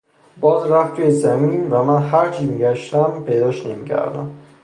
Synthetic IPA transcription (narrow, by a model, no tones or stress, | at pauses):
bɒːzɾæft̪ʰːuːjezæmiːnvæmænɦæɾt͡ʃʰimiɟæʃt̪æmpʰe̞jd̪ɒːʃnemicʰæ̰ɾd̪æ̰m